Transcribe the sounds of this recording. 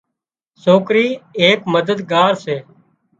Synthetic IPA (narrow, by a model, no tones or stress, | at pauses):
soːkɾiːeːkməd̪əd̪ɡaːɾseː